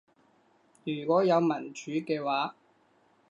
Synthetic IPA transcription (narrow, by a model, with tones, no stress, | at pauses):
jyː˨˩kʷɔː˨˥jɐ˨˧wmɐ˨˩nt͡ʃyː˨˥kɛː˧waː˨˥